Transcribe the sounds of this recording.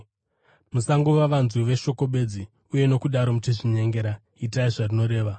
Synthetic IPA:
musaŋɡuʋaʋanzuʋe̞ʃo̞ko̞ɓe̞d͡zi | uje̞no̞kuɗaɾo̞muteʐiɲe̞ŋɡe̞ɾa | itaiʐarino̞ɾe̞ːʋa

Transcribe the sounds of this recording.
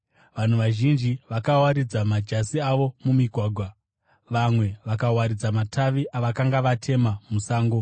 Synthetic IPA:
ʋan̤uʋaʒind͡ʒiʋakawaɾid͡zamad͡ʒasiaʋo̞mumiɡʱwaːɡʱwa | ʋamwe̞ʋakawaɾid͡zamatʰaʋiʔaʋakaŋɡaʋatʰe̞mamusaːŋɡo̞

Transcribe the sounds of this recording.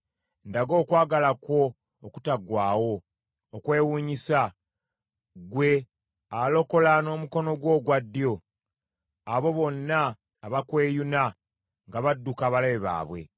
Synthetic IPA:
ndaɡo̞ːkwaːɡalakwo̞ː | ku̥taɡwaːwo̞ː | kwe̞ːwuːɲisa | ɡwe̞ | alo̞ko̞lano̞ːmuko̞no̞ɡwo̞ːɡwadːjo̞ | aβo̞βo̞nːaː | βakwe̞ːjuna | ŋɡaβadːukaβalaβeβa̰ːβwe̞̰

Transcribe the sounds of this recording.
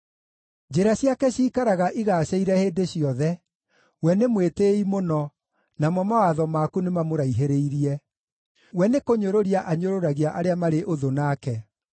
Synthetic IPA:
d͡ʒeɾaɕiakɛɕiːkaɾaɣaʔiɣaːɕaiɾɛheːdeɕiɔðɛ | wɛnemweteimonɔ | namɔmawaðɔmakunemamoɾaiɦeɾeiɾiɛ | wɛnekoɲoɾoɾiaʔaɲoɾoɾaɣiaʔaɾeamaɾeʔoðonaːkɛ

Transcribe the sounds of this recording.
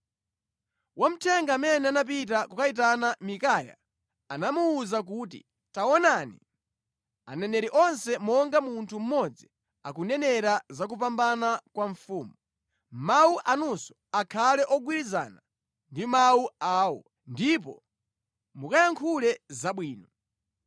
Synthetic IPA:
wam̩tʰɛŋɡaːmɛnɛanap̬it̬akukait̬anamikaːja̰ | anamuːzak̬utḭ | tawɔnanḭ | a̰nɛnɛɾiʔɔnsɛmɔŋɡamuntʰum̩mɔd͡zi | akunɛnɛɾazak̬up̬ambanakwaɱfuːmu | mauʔanusɔ̥akʰalɛʔɔɡwiɾiza̰ːna | ndimauaːwɔ̰ | ndipɔ̰ | mukajaŋkʰulɛzaɓwiːnɔ

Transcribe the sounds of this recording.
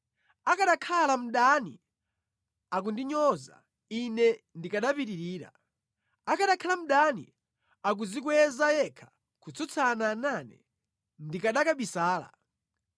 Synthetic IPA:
akaɗakʰalam̩ɗani | ak̬undiɲɔza̰ | inɛndikaɗapitiɾiːɾa̰ | akʰaɗakʰalam̩ɗanḭ | ak̬uzik̬wɛzajɛkʰḁ | kut͡sɔt͡sʰanaːnanɛ̰ | ndikaɗakaɓisaːla̰

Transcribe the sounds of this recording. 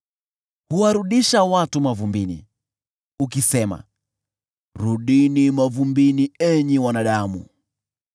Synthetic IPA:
huwaɾuɗiʃawatumavumbinḭ | ukisɛma̰ | ɾuɗinimavumbiniɛɲiwanaɗamṵ

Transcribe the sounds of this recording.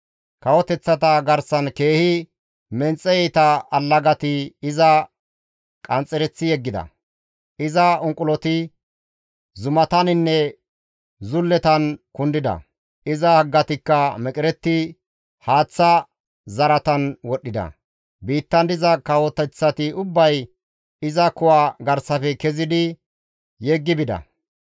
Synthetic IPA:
kɐwɔt̪ɛt͡sːɐt̪ɐɡɐɾsɐnke̞ːhɪ | mɛnt͡sʼːɛjɛjt̪ɐɐlːɐɡɐt̪ɪɪzɐ | kʼɐnt͡sʼɛɾɛt͡sːɪjɛɡːɪd̪ɐ̰ | ʔɪzɐʊŋkʼʊlɔt̪ɪ | zʊmɐt̪ɐnɪnːɛ | zʊlːɛt̪ɐnkʊnd̪ɪd̪ɐ̰ | ɪzɐhɐɡːɐt̪ɪkːɐmɛkʼɪɾɛt̪ːɪ | haːt͡sːɐ | zɐɾɐt̪ɐnwɔɗːɪd̪ɐ̰ | biːt̪ːɐnd̪ɪzɐkɐwɔt̪ːɛt͡sːɐt̪ɪʊbːɐj | ɪzɐkʊwaːɡɐɾsɐfɛkɛzɪd̪ɪ | jɛɡːɪbɪd̪ɐ̰

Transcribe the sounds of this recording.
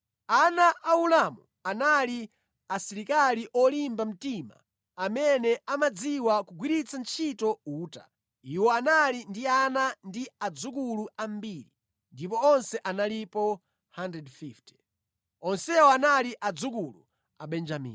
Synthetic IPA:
anaʔːulamṵ | anali | asiɾikaliʔɔlimbam̩tima̰ | amɛnɛamad͡ziwakuɡwiɾit͡sʰant͡ʃʰitɔuːta̰ | iwɔanalindianandiad͡zukuluambiɾi | ndipɔɔnsɛʔanalipɔ | handɾɛdfifti̥ | ɔnsɛwɔanaliʔad͡zuk̬ulṵ | aɓɛnd͡ʒamḭːn

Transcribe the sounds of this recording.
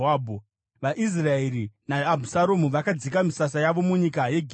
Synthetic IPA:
aːbʱu | ʋaʔis̬raeɾinaːbʱusaɾo̞muʋakad͡zikamisasajaʋo̞muɲikaje̞ɡʱ

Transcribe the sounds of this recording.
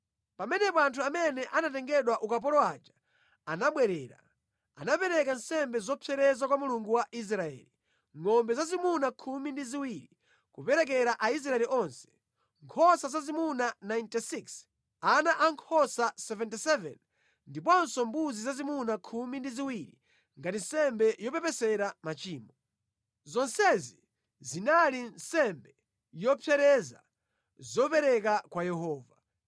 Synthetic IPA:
pamɛnɛp̬ɔantʰuamɛnɛʔanatɛŋɡɛɗwaʔukap̬ɔlɔat͡ʃḁ | anaɓwɛɾɛːɾa̰ | a̰napɛɾɛkan̩sɛmbɛzɔpʰɛɾɛzakwamuluŋɡuwaʔis̬ɾaɛ̰li | ŋɔmbɛzazimunakʰumindiziwiɾi | kupɛɾɛk̬ɛɾaʔais̬ɾaɛliʔɔnsɛ̥ | ŋkʰɔsazazimunanajntisiks | anaʔaŋkʰɔsasɛvɛnt̬isɛvɛ̰n | ndip̬ɔnsɔmbuzizazimunakʰumindiziwiɾi | ŋɡatinsɛmbɛjɔpɛpɛsɛɾamat͡ʃiːmɔ | zɔnsɛzi | zinalinsɛmbɛ | jɔpʰjɛɾɛza̰ | zɔpɛɾɛk̬akwajɛɦɔːva

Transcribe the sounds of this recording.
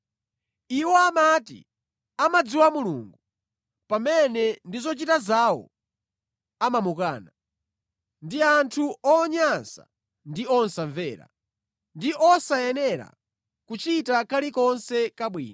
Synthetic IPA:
iwɔamatḭ | amad͡ziwamulṵŋɡu | pamɛnɛndizɔt͡ʃitazawɔ̰ | amamukaːna | ndiantʰuɔːɲansa̰ | ndiɔnsaɱvɛːɾa̰ | ndiʔɔsajɛnɛɾa̰ | kut͡ʃitakalikɔnsɛkaɓwḭːna

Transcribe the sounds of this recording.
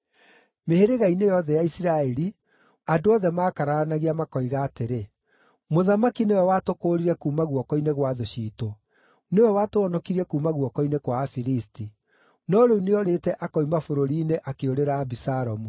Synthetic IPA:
meheɾeɣainejɔðɛjaisiɾaɛɾi | adoɔðɛmaːkaɾaanaɣiamakɔiɣaːteɾe | moðamakinewɛwatokoːɾiɾɛkuːmaɣwɔkɔineɣwaðoɕiːto | newɛwatoɔnɔkiɾiɛkuːmaɣwɔkɔinekwaːfiɾisti | nɔɾeuneɔɾetɛʔakɔimafoɾoɾiːneʔakeoɾeɾabisaɾɔmu

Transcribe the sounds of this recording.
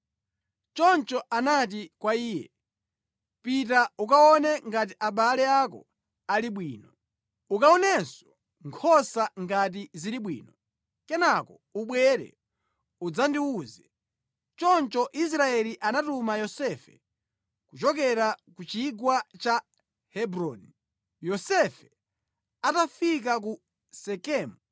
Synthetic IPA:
t͡ʃɔnt͡ʃɔʔanat̬ikwaiːjɛ̰ | pit̬aukaɔnɛŋɡat̬iʔaɓalɛakɔ̰ | aliɓwiːnɔ | ukaɔnɛsɔ̥ | ŋkʰɔsaŋɡat̬iziɾiɓwḭːnɔ | kɛnakɔ̰ | uɓwɛɾɛ̰ | ud͡zandiuzɛ | t͡ʃɔnt͡ʃɔʔis̬ɾaɛliʔanatumajɔsɛfɛ̰ | kut͡ʃɔk̬ɛɾakut͡ʃiɡwat͡ʃa | hɛbɾɔni | jɔsɛfɛ | atafik̬aku | sɛkɛːmu

